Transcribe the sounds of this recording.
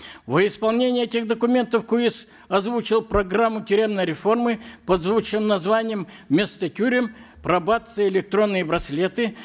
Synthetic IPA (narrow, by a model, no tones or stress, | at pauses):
vəɪspɐlˠnʲenʲɪjɛtʲɪxd̪əkʊmʲe̞nt̪əfkuis | ɐzvut͡ɕɪlˠpɾɐɡramːʊtʲɪɾʲe̞mnəjɾʲɪfo̞rmɨpɐd̪zvut͡ɕɨmnɐzvanʲɪjəmmʲest̪ətʲuɾʲɪm | pɾɐbat̪sɨjɪlʲɪk̚t̪ɾo̞nːɨjəbɾɐsʲlʲet̪ɨ